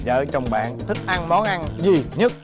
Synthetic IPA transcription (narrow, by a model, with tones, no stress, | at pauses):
zə̰ː˧˨t͡ɕɔ˧wŋ͡mɓa̰ː˧˨nt̪ʰi˦˥k̟̚ʔa˧nmɔ˨˦nʔa˧nzi˨˩ɲə˦˥t̚